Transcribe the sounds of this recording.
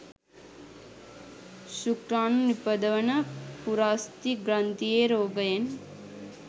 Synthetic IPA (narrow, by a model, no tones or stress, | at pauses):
ʃukɾaːnnipːɐd̪ɐʋɐnɐpuɾaːst̪iɡɾant̪ijeɾoːɡɐjen